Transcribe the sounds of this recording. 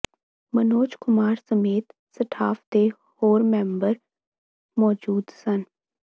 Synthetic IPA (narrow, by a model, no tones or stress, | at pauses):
mənoːt͡ʃkʊmaːɾsəmeːt̪ | səʈʰaːfd̪e | hoːɾmɛ̃ːmbəɾ | mɔːd͡ʒuːd̪sən